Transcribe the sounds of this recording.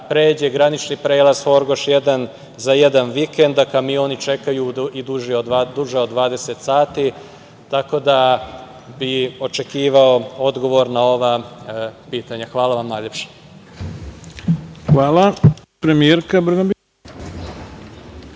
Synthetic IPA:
pɾe̞ːd͡ʑeɡɾanit͡ʃnipɾe̞ːlaz̥xo̞ɾɡo̞ʃjed̪an | zajed̪anʋikend̪akamio̞ːnit͡ʃe̞kajuid̪uʒeod̪uʒeo̞d̪ʋaːd̪e̞se̞t̪saːt̪i | t̪ako̞d̪a | bio̞t͡ʃe̞kiːʋao̞o̞d̪ɡo̞ʋo̞ɾnao̞ʋa | piːt̪aɲaxʋaːlaʋamnaːjʎe̞pʃe̥ | xʋaːla | pɾemieɾkabr̩ɡab

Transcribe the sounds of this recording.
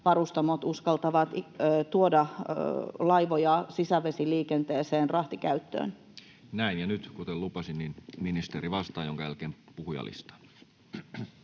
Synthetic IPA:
ʋɑrust̪ɑmot̪uskɑlt̪ɑʋɑt̪ːt̪uodɑ | lɑiʋojɑsisæʋesiliːkent̪eːseːnrɑht̪ikæyt̪ːø̰ːn | næinjɑnyt̪kut̪ellupɑsinninminist̪eriʋɑst̪ˑɑːjoŋkɑjælkeːmpuhujɑ̰lḭst̪ɑ̥

